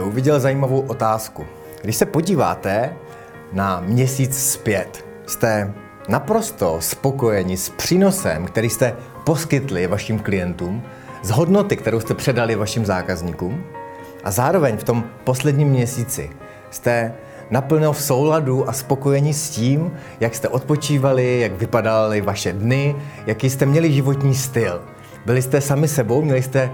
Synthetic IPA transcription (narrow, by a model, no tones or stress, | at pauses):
ʔuvɪɟɛlzajiːmavo̞wʔo̞t̪aːsku | ɡdɪʃsɛpo̞ɟiːva̰ːt̪ɛ | namɲɛsiːt͡sspjɛt̪ | st̪ɛ | napɾo̞st̪o̞spo̞ko̞jɛɲɪspr̝̥iːno̞sɛ̰mkt̪ɛɾiːst̪ɛ | po̞skɪt̪lɪvaʃimklɪjɛnt̪uːm | zɦo̞dno̞t̪ɪkt̪ɛɾowst̪ɛpr̝̥ɛdalɪvaʃɪmzaːkazɲiːkuːm | ʔa̰zaːɾo̞vɛɲft̪o̞mpo̞slɛdɲiːmːɲɛsiːt͡sɪ̰ | st̪ɛ | napl̩nolfso̞wladuʔaspo̞ko̞jɛɲisciːm | jakst̪ɛʔo̞t̪̚po̞t͡ʃiːvalɪjaɡvɪpadalɪvaʃɛdnɪjakiːst̪ɛmɲɛlɪʒɪvot̪ɲiːst̪ɪl | bɪlɪst̪ɛsamɪsɛbo̞wmɲɛlɪst̪ɛ